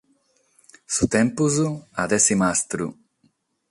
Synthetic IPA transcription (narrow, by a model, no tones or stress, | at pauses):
sut̪ẽmpuzuad̪esimast̪ɾṵ